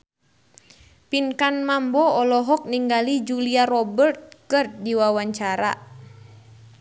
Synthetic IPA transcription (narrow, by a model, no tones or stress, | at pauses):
pinkanmambɔɔlɔɦɔk̚niŋɡalid͡ʒuliaɾɔbərt̪̚kɨr̚diwawaɲt͡ʃaɾa̰